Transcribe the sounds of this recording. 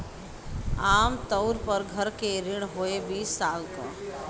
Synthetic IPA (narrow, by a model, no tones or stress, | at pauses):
aːmt̪əʊɾpəɾɡʱəɾkeɾɪɽ̃ɦoebiːsːaːlka̰